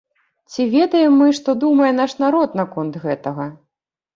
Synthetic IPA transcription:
t͡sʲivʲɛd̪ɐjɛmːɨʂt̪ɔd̪umɐjɛn̪aʂnaɾɔt̪nɐkɔnt̪ɣɛt̪ɐɣɐ

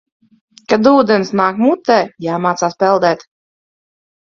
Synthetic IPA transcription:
kad̪uːd̪ɛnsnaːkmut̪ːɛːjaːmaːt̪saːspɛlˠd̪ɛːt̪

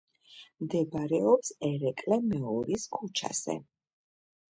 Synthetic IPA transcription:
md̪ɛbɾɛɔpsɛɾɛkʼlɛmɛɔɾiskʰut͡ʃʰa̰z̥ɛ̰

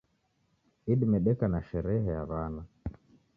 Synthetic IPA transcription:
iɗimɛɗɛkanaʃɛɾɛɦɛja̰βana

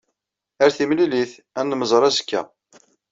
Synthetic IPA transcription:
æɾθimliliθ | ænːməzˤɾˤæzə̥kːæ̰

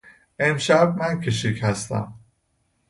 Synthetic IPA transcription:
ʔemʃæb̚mæncʰeʃichæst̪ʰæ̰m

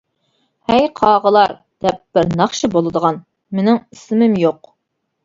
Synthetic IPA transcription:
hɛjqʰɑːʁəlˠɑɾ | d̪̥ɛp̚b̥ɪɾnɑχʃɨbolˠɨd̪əʁɑn | menɪŋisɪmɪmjoq

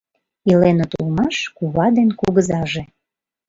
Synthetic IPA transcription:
ilenot̪ulmɑʃkuβɑd̪enkuɣəzɑʒe

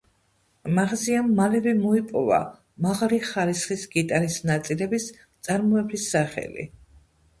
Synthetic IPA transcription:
maʁziamːalɛvɛmɔipʼɔva̰ | maʁaliχaɾisχisɡit̪ʼaɾisnat̪sʼilɛbis | t̪sʼaɾmɔɛbɾisːaχɛ̰lḭ

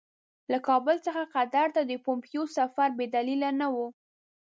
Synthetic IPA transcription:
lakɑbəlt͡səxaqad̪aɾt̪ad̪əpompjosafaɾbed̪alilanawu

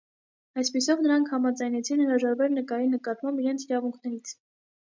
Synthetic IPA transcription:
ɑjspisɔvnəɾɑŋkʰhɑmɑd͡zɑjnɛt͡sʰinhəɾɑʒɑɾvɛɾnəkɑɾinəkɑt̪mɑmbiɾɛnt͡sʰiɾɑvuŋkʰnɛɾit͡sʰ

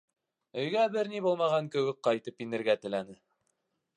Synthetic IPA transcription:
ɵ̆jɡæbɘɾnibulˠmɑʁɑŋkɵ̆wɘk̚qɑjt̪ɤpinɘ̆ɾɡæt̪ɘ̆lænɘ

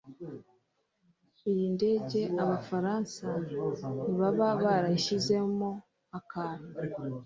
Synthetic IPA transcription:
ijinde̞ːɟe̞aβafaɾaːnsaniβaβaβaɾaiʃize̞mo | akaɾi

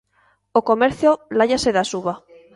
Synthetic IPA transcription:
okomeɾθjolaʎaseðasuβa

